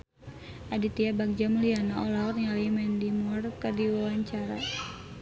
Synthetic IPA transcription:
ʔadit̪iabak̚d͡ʒamulianaɔlaɔt̪ŋalimɛndimurkadiwawaɲt͡ʃaɾa

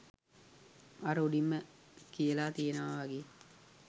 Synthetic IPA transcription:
aɾəuɖimːəkijəlaːt̪ijənəʋaʋaɡeː

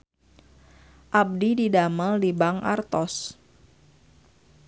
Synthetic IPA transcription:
ʔab̚dididaməldibaŋa̰rt̪ɔs

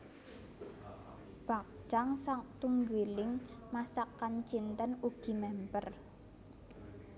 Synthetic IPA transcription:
b̥a̤k̚t͡ʃaŋsaŋt̪uŋɡelɪŋmasakːant͡ʃint̪ənuɡ̥i̤mɛmpər

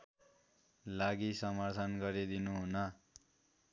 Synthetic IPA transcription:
laɡisʌmʌrt̪ʰʌnɡʌɾid̪inuɦunʌ

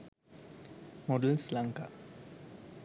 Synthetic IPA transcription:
moɖəlslaŋka̰

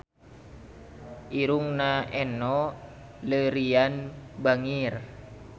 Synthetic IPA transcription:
ʔiɾuŋnaʔɛnɔ | ləɾianbaŋir

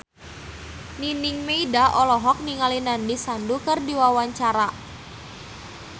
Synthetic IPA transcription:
niniŋmeidaʔɔlɔɦɔk̚niŋalinandisandukərdiwawaɲt͡ʃaɾa

